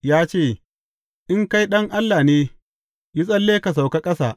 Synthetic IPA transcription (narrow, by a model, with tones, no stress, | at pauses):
jaː˦t͡ʃeː˦˨ | ʔɪ˦ŋka˦jɗɐ˦ŋʔa˦lːaː˨neː˦ | ji˦sʼɐ˦lːeː˦ka˨s̬a˨wka˦kʼɐ˦sa̰ː˨ʔ